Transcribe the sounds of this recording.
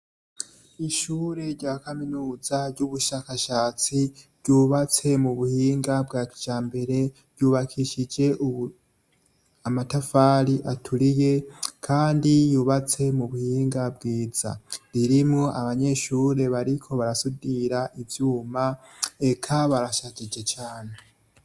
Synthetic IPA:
iʃuːɾe̞ɾɟaːkaminuːzaɾɟuβuʃaːkaʃaːt͡siɾɟuːβat͡se̞muβuhiːŋɡabɡaːkid͡ʒ̥aːmbe̞ɾe̞bɟuːβakʰiʃid͡ʒe̞ʔu | amatafaːɾiʔatʰuɾije̞kʰaːndijuːβat͡se̞muβuhiːŋɡabɡiːz̥a̰ɾiɾimŋoʔaβaɲe̞ʃuːɾe̞βaɾikʰo̞βaɾasudiɾaʔivjuːmaekʰaβaɾaʃad͡ʒid͡ʒe̞t͡ʃaːne̞

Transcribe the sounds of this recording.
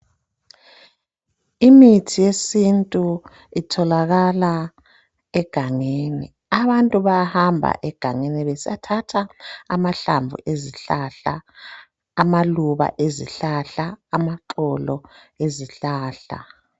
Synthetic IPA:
imitʰijesintʼu | itʰɔlaɣala | ɛɡ̥ʱaŋenḭ | aβantʼuβajahambʱa̰ʔɛɡ̥ʱaŋeniβesiatʰatʰaːmaɬa̰ɱvṵʔeziɬaɬa̰ː | maluβa̰ʔezḭɬaɬaːmaǃɔlɔ | eziɬaːɬa̰

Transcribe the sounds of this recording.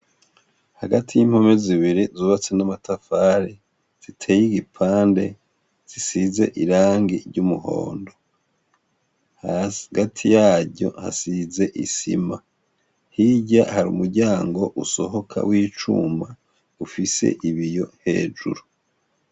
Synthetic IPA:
haɡatʰijimho̞meziβiɾizuːβat͡se̞namatʰafaːɾe | z̥itʰeːjiɡipʰaːnde̞ | z̥isize̞̰ʔiɾaːŋɡiɾɟumuɦo̰ːndo̞ | hɡatʰijaːɟo̞̰ha̰size̞ʔisḭma | hiɟahaɾṵːmuɾɟaːŋɡo̞ʔuso̞ɦo̞kʰa̰wiːt͡ʃṵma | ufise̞̰ʔiβijo̞he̞̰ːd͡ʒṵɾu

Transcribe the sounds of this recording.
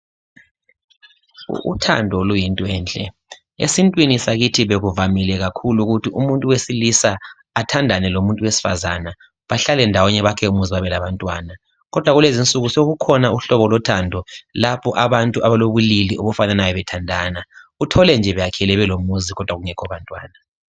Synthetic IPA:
ṵtʰa̰ndʱɔlujintʼɔɛːnt͡ɬʼɛ̰ | ḛsintʼwinisaɣitʰiβeɣuvamilɛɣakʰuluɣutʰiʔumuntʼuwesilisaː | tʰandʱanɛlomuntʼuwesi̥fa̰zana | βaɬalɛndʱawɔɲɛβakʰɛumuziwaβɛlaβantʼwaːna | ɣɔd̥ʱwaɣulezint͡sʼuɣusoɣukʰɔnauɬɔβɔlɔtʰaːndʱɔlapʰɔʔaβantʼuaβaloβuliliʔoβɔfananajɔβɛtʰandʱaːnautʰɔlɛnd͡ʒʱɛβɛjakʰɛlɛβɛlomuziɣɔd̥ʱwaɣuŋɛkʰɔβantʼwaːna

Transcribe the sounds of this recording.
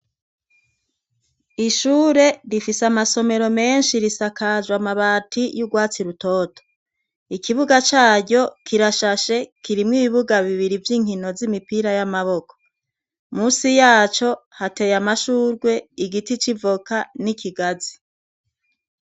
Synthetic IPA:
iʃuːɾe̞ɾifisamaso̞me̞ɾo̞me̞ːnʃiɾisakazwamaβaːtʰijuɡwaːt͡siɾuto̞ːtʰo̥ | ikiβuɡat͡ʃaːɾɟo̞kʰiɾaʃaʃe̞kiɾimŋiβiβuɡaβiβiɾivjiːŋ̥hino̞zimipiɾajamaβo̞ko̥ | musijaːt͡ʃo̞hate̞jamaʃuːɾɡwe̞iɡitit͡ʃivokanikʰiɡazi

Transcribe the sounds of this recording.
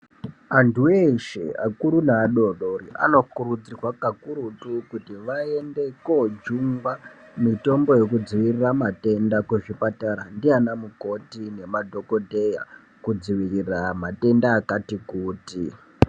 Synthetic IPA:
antueʃḛa̰kuɾunaːɗo̞ɗoɾia̰no̞kuɾud͡zirwakakuɾutukutiʋae̞nde̞kod͡ʒuŋɡwa | mito̞mbo̞jekud͡ziʋiriramate̞ndakweʐipataɾandianamuko̞tine̞madʱo̞ko̞dʱe̞ja̰ | kud͡ziʋiriramate̞ndaːkatikuːti

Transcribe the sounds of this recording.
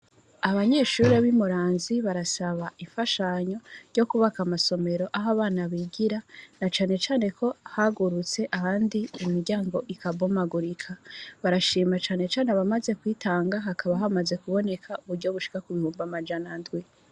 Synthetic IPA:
aβaɲe̞ːʃuːɾe̞βimuɾaːnziβaɾasaβaʔiɱfaʃaɲo̞ɾɟo̞kuβakamaso̞me̞ɾo̞ʔaɦaβaːnaβiːɡiɾanat͡ʃaːne̞t͡ʃaːne̞kʰo̞haɡuɾut͡se̞ʔahaːndiumiɾɟaːŋɡo̞ʔikabomaɡuɾikʰaβaɾaʃiːmat͡ʃaːne̞t͡ʃaːneaβamaze̞kwiːtaːŋɡaɦakʰaβaɦamaze̞kuβo̞ne̞kʰauβuɾɟo̞βuʃi̥kakuβihuːmbamad͡ʒanandɡwi

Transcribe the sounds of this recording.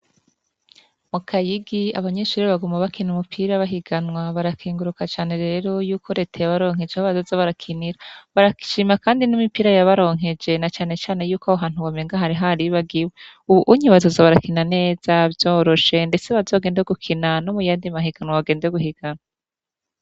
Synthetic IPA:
mukʰajiɡiaβaɲeːʃuːɾiβaɡumaβakinumupʰiɾaβaɦiɡanŋwaβaɾakʰiːŋɡuɾukat͡ʃaːne̞ɾe̞ɾo̞juːkʰo̞ɾe̞ːtʰajaβaɾo̞ːŋ̥e̞d͡ʒehoβazozaβaɾakʰiniɾaβaɾaki̥ʃimakaːndinimipiːɾajaβaɾo̞ːŋɦe̞d͡ʒe̞nat͡ʃaːne̞t͡ʃaːne̞juːkaoɦaːn̥uβameŋɡaɦaɾiɦaɾiβaɡiweuβuʔuɲiβazozaβaɾakinane̞ːz̥avjoːɾo̞ʃe̞nde̞t͡se̞βazoɡe̞ːndeoɡukʰinanomujaːndimaɦiɡ̥anwaβaɡe̞ːndejoɡuhiɡ̥anwa

